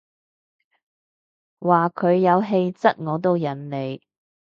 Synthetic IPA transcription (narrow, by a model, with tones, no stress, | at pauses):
waː˨kʰɵ˨˧ɥjɐ˨˧wɦe˧jt͡sɐ˥t̚ŋɔː˨˧t̪̬o˧wjɐ˨˩nle˨˧j